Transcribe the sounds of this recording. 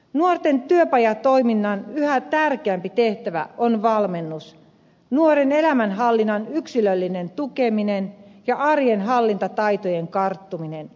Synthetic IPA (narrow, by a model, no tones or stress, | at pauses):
nuort̪e̞nt̪yøpɑjɑt̪o̞iminːɑnyhæt̪ærkeæmpit̪e̞ht̪æʋæ̰ʔonʋɑlme̞nːus | nuoɾene̞læmænɦɑlːinːɑnyksilølːine̞nt̪ukeminenjɑʔɑrjenɦɑlːint̪ɑt̪ɑjt̪ojeŋkɑrt̪ːuminen